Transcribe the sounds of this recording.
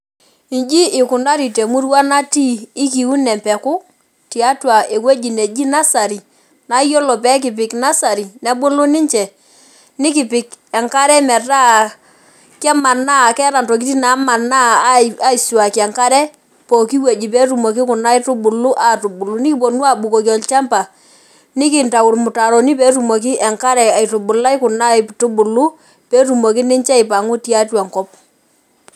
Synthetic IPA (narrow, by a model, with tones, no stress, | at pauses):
i˨nd͡ʒi˦ʔɪ˨kʊ˨na˦ɾi˨te˨mu˦ɾwa˦na˦tiː˦ki˨u˦nɛ˨mpɛ˨kʊ˦ | ti˨a˦twa˨ʔe˨kwe˦d͡ʒi˨ne˨d͡ʒi˦na˦sa˨ɾi˨ | na˨˦jo˦lɔ˨pɛ˦k̬ɪ˨p̬ɪ˨kna˦sa˨ɾi˨nɛ˦ɓʊ˦lʊ˦nɪ˦ɲt͡ʃɛ˨ | nɪ˦kɪ˨pɪ˨kɛ˨ŋka˦ɾɛ˦mɛ˨ta˦ | kɛ˦ma˨na˦˨kɛ˦ɾa˨ntɔ˨k̬i˦ti˦na˨˦ma˨na˦a˦i˨su˨a˨kɛ˨ŋka˦ɾɛ˦ | po˨ki˦we˨d͡ʒi˨p̬ɛ˦tu˨mo˨k̬i˦kʊ˨na˦ɪ˦tʊ˦ɓʊ˨lu˦ʔa˦˨tu˨bʊ˨lu˨˦nɪ˦ki˦po˨nwa˨ɓu˨ko˨kɔ˨lt͡ʃa˦mpa˨ | nɪ˦kɪ˦˨nta˨wʊ˨ɾmʊ˨ta˨ɾɔ˨ni˦pɛ˨˦tu˨mo˨k̬i˦ʔɛ˨ŋka˦ɾɛ˨a˨i˨tʊ˨ɓʊ˨la˦ɪ˦kʊ˨na˦˨tʊ˦bʊ˨lu˦ | pɛ˦tu˨mo˨ki˦nɪ˦ɲt͡ʃɛ˦i˨pa˨ŋʊ˦ti˦a˦twa˨ŋkɔ˦p̚